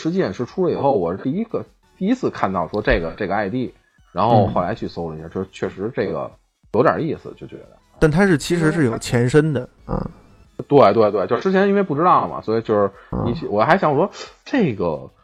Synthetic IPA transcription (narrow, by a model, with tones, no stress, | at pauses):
ʂɻ̩˧˥t͡ɕi˥˩ɛ˥˩nʂɻ̩˥˩ʈ͡ʂʰu˥lə˨ḭ˨˩xo˥˩ʊwɔ̰˨˩˥t̪i˥˧i˥ɡə˧ | t̪i˥˩i˥t͡sʰɹ̩˥˧kʰa˥˧nt̪ɑ˥˩ʊʂwɔ˥ʈ͡ʂe˥˩ɡə˩ʈ͡ʂe˥˩ɡə˧a˥˧ɪt̪i˥˩ | ɻa˧˥nxo˥˩ʊ˩xo˥˩la˧˥ɪt͡ɕʰy˥˩so˥ʊlə˧i˧˥ɕja˥˧˩t͡ɕo˥˩ʂ̩˧t͡ɕʰɥɛ˥˩ʂɻ̩˧˥ʈ͡ʂe˥˩ɡə̰˩ | jo˧˥jɐ̰˨˩i˥˩sɹ̩̰˩t͡ɕjo˥˩ʊt͡ɕɥɛ̰˧˥d̪ə̰˧t̪a˥˩nt̪ʰa˥ʂɻ̩˥˩t͡ɕʰi˧˥ʂ̬ɻ̩˧˥ʂ̬ɻ̩˥˩jo˨˩ʊt͡ɕʰjɛ˧˥nʂə˥nd̪ə˨ | ə̰˧˩ | t̪we˥˧ɪt̪we˥˧t̪we˥˧t͡ɕo˥˧˥ʈ͡ʂɻ̩˥t͡ɕʰjni˥ne˥˧ɪp̬u˥˩ʈ͡ʂɻ̩˥t̪ɑ˥˩ʊə˩mɐ̰˩swɔ˧˥i˨˩t͡ɕjo˥˧ʊʂɻ̩˧˩nni˨˩ɕwɔ˨˩xa˧˥ɪɕjɑ˧˥ŋ˨ʂwɔ˥ʈ͡ʂe˥˩ɪɡə̰˩